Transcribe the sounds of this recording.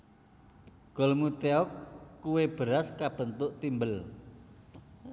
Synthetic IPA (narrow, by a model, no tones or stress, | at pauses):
ɡ̥ɔ̤lmut̪eɔkːuweb̥əɾaskab̥ə̤nt̪ʊʔt̪imbəl